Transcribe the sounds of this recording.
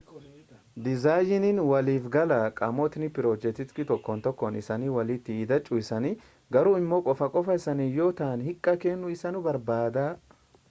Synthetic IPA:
d̪ɪzaːjɪnɪnwɐliːfɡɐlɐkʼɐmɔt̪ɪnɪpɪɾoːd͡ʒɛt̪ɪt̪kɪt̪ɔkːɔnt̪ɔkːɔnɪsɐnɪwɐlɪt̪ːɪiːd̪ɐt͡ʃʼːʊɪsɐnɪ | ɡɐɾʊɪmːɔkʼɔfɐkʼɔfɐɪsɐnɪjoːt̪aːnhɪkʼːɐkeːnːʊɪsɐnʊbɐɾbaːd̪aː

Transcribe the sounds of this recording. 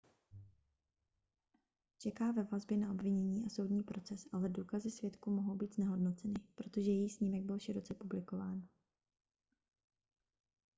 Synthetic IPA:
t͡ʃɛkaːvɛvazbjɛnaʔo̞bvɪɲɛɲiːʔaso̞wdɲiːpɾo̞t͡sɛsʔalɛduːkazɪsv̥jɛt̪kumoɦo̞wbiːt̪znɛɦo̞dno̞t͡sɛnɪpɾo̞t̪oʒɛjɛjixsɲiːmɛɡ̚bɪlʃɪɾo̞t͡sɛpublɪko̞vaːn

